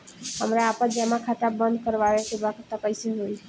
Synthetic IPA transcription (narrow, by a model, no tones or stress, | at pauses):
ɦə̰mɾaːpəd͡ʒamakʰat̪abənd̪ʱkəɾbaɾekebakt̪əkəjseɦoj